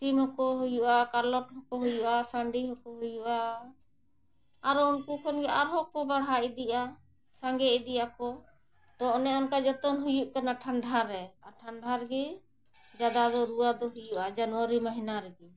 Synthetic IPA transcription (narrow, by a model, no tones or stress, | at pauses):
t̪imɔkɔɦujuʔakalɔʈɦɔkɔɦujuʔasaɳɖiɦɔkɔɦujuʔa | ɾɔunkukʰɔnɡɛaɾɦɔkɔbaɽɦaʔid̪iʔa | saŋɡɛid̪ijakɔ | t̪ɔɔnɛɔnkad͡ʒɔt̪ɔnɦujuʔkanaʈʰaɳɖʱaɾɛaʈʰaɳɖʱaɾɡɛ | d͡ʒad̪ad̪ɔɾuad̪ɔɦujuʔad͡ʒanwaɾimaɦinaɾɛɡɛ